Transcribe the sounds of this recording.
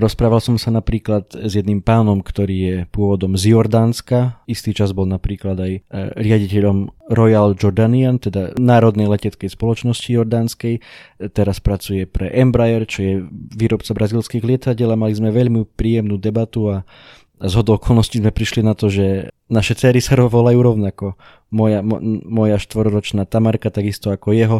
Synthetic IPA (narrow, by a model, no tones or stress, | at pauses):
ɾɔspɾaːʋalsɔmsanapɾiːklat̪zjɛd̪nimpaːnɔmkt̪ɔɾiːjɛpʊɔʋɔd̪ɔmzjɔɾd̪aːnskaist̪it͡ʃazbɔlnapɾiːklad̪ajɾɪaɟicɛʎɔmɾɔjald͡ʒɔɾd̪aniant̪ɛd̪anaːɾɔd̪nɛjlɛcɛt͡skɛjspɔlɔt͡ʃnɔscijɔɾd̪aːnskɛjt̪ɛɾaspɾat͡sujɛpɾɛʔɛmbɾajɛɾt͡ʃɔjɛʋiːɾɔpt͡sabɾazilskiːɣlɪɛt̪aɟɛlamalizmɛʋɛʎmipɾiːjɛmnuːd̪ɛbat̪ua | zɦɔd̪ɔʊɔkʰɔlnɔscizmɛpɾiʃlinat̪ɔʒɛ | naʃɛt͡sɛːɾisaɾɔʋɔlajuɾɔʊnakɔ | mɔjammɔjaʃt̪ʋɔɾɔɾɔt͡ʃnaːt̪amaɾkat̪aɡist̪ɔakɔjɛɦɔ